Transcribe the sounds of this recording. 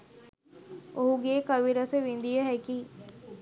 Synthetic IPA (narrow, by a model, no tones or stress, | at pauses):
oɦuɡeːkəʋiɾəsəʋĩnd̪ijəɦɛkiː